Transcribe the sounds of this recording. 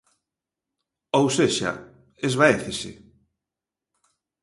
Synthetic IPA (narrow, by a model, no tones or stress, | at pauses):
owseʃa̰ | ezβaeθesɪ̰